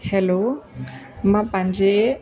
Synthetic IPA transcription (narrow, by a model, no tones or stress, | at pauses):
hɛlo | mãpãɲd͡ʑe